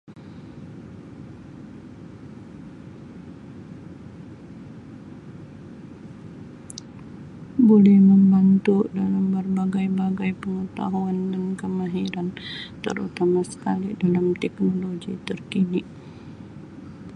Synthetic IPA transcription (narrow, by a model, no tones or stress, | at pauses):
bolɛhməmbant̪udalambərbaɡajbaɡajpəŋət̪a̰ɦuandankəmaɦiɾant̪ə̰ɾṵt̪amasə̥kalḭdalamt̪ɛknoloɡit̪ərkini